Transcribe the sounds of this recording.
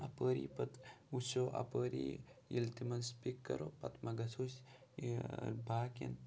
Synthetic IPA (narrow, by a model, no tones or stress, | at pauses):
ɐpəːɾḭpɐt̪usoːʔɐ̰pəːɾḭilt̪imɐnspikːɐ̰ɾoːpɐ̰t̪mɐɡɐsoːs | bʱaːkḭn